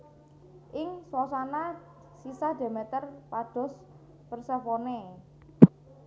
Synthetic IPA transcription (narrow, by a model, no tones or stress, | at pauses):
ʔɪŋswɔsana | sisad̥e̤met̪ərpaɖ̥ɔ̤s | pərsəfone